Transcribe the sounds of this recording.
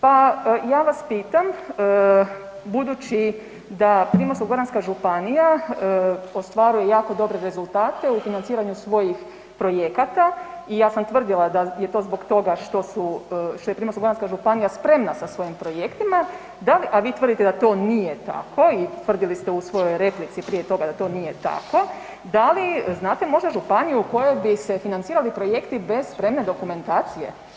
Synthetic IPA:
pajaːʋaspiːt̪am | bud̪ut͡ɕi | d̪apɾiːmosoɡoɾanskaʒupanija | o̞st̪ʋaɾuje̞jaːko̞d̪o̞bɾe̞ɾe̞zulˠt̪aːt̪e̞ufinant̪siːɾaɲusʋo̞jix | pɾo̞je̞kat̪aijaːsamt̪ʋr̩d̪ilˠad̪aje̞t̪o̞ːzbo̞ɡt̪o̞ɡaʃt̪o̞suʃt̪ojepɾimosuɡonanskaʒupanijaspɾe̞mnasasʋo̞jimpɾo̞je̞kt̪ima | d̪aliʔaʋiːt̪ʋr̩d̪it̪ed̪at̪o̞ːnije̞t̪a̰kʰo̞it̪ʋr̩d̪ilist̪eusʋo̞jo̞jɾe̞plit̪sipɾijet̪o̞ɡad̪at̪o̞ːnije̞t̪a̰ko̞ | d̪aliznaːt̪e̞mo̞ʒd̪aʒupanijuːko̞je̞bise̞finant̪siːɾalipɾo̞je̞kt̪ibe̞z̥spɾe̞mne̞d̪o̞kume̞nt̪aːt̪sije̞̰

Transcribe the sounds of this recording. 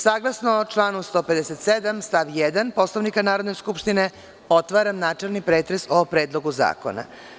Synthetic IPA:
saːɡlasnot͡ʃlˠaːnust̪o̞ːped̪eset̪sed̪amst̪aʋjɛd̪anpo̞slˠoʋnikanaːɾo̞d̪nojskupʃt̪ine | o̞t̪ʋaːɾamnaːt͡ʂelˠnipɾeːt̪ɾesopɾeːd̪lˠo̞ɡuza̰ːko̰na̰

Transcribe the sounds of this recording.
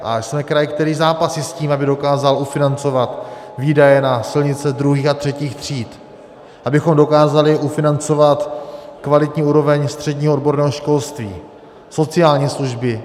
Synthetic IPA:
ʔa̰smɛkɾajɪkt̪ɛɾiːzaːpasjɪsciːmabɪdo̞kaːzalufɪnant͡so̞vat̪ | viːdajɛnasɪlɲɪt͡sɛd̪ɾuɦiːxat̪r̥ɛciːxt̪r̝̥iːt̪ | ʔabɪxo̞mdo̞kaːzalɪʔufɪnant͡so̞vat̪kvalɪt̪ɲiːuːɾo̞vɛɲst̪r̝̥ɛdɲiːɦoodbo̞ɾnɛːɦoʃko̞lst̪vḭː | so̞t͡sɪaːlɲiːsluʒbɪ

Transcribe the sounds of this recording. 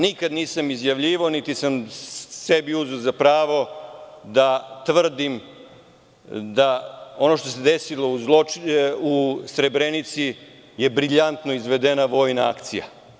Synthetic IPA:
nikad̪niːsamizjaʋʎiːʋaonit̪isamse̞biuzuzapɾaːʋo̞d̪at̪ʋr̩d̪im | d̪ao̞noʃt̪o̞se̞d̪esilo̞uzlousɾe̞bɾenit̪si | je̞bɾiʎant̪no̞izʋe̞d̪e̞naʋo̞jnaa̰kt̪sḭja̰

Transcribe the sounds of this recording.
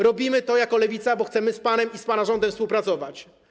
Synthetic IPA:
ɾɔbʲimɘt̪ɔjakɔlɛvʲit̪sabɔxt̪sɛmɘspanɛmispanaʐɔnd̪ɛmfspuwpɾat̪sɔvat͡ɕ

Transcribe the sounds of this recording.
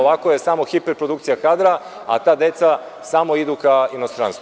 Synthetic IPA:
oʋakojesamo̞xipeɾpɾod̪ukt̪sijakaːd̪ɾa | a̰t̪aːd̪e̞t̪sa | samo̞id̪ukainost̪ɾanst̪u

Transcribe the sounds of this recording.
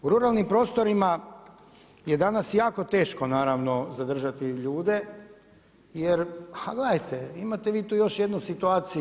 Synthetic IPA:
uɾuɾalˠnimpɾo̞ːst̪o̞ɾima | jed̪anasjaːko̞t̪e̞ːʃko̞naːɾaʋno̞zad̪r̩ʒat̪iʎuːd̪e | jeɾhaɡled̪ajt̪eimat̪eʋiːt̪uːjo̞ʃjed̪nusit̪uaːt̪sij

